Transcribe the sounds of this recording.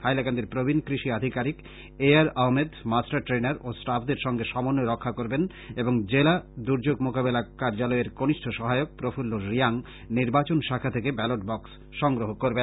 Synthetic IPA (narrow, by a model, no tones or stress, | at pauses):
hajlakand̪eɾpɾobʱinkɾiʃiad̪ʱikaɾik | eaɾaɦmed̪masʈaɾʈɾenaɾosʈafd̪eɾʃɔŋɡeʃɔmonːoɾɔkʰːakoɾben | eboŋd͡ʑelad̪uɾd͡ʑoɡmokabelakaɾd͡ʑalɔeɾɡoniʃʈʰoʃɔɦaeok̚pɾofulːoɾijaŋ | niɾbat͡ɕonʃakʰat̪ʰekebɛloʈ̚bɔks | ʃɔŋɡɾoɦokoɾben